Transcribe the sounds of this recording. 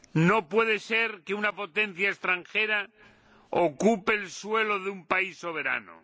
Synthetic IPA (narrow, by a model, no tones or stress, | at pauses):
no̞pwe̞ð̞ese̞ɾkeunapo̞t̪e̞n̟θjaest̪ɾaŋxe̞ɾa | okupeːlswe̞loðeumpaisːo̞β̞e̞ɾa̰no̰